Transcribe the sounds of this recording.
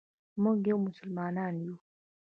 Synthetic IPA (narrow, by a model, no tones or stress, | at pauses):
mɔɡewmusulmananju